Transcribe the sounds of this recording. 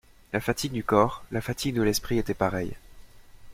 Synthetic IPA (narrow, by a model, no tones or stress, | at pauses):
lafat̪iɡd̪ykɔʁlafat̪ʰiɡ̚d̪əlɛspχiet̪ɛpaʁɛj